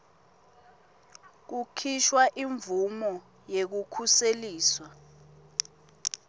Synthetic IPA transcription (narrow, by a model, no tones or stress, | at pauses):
k̬ukʰiʃwaʔiɱvumɔ | jek̬ukʰuseliːswa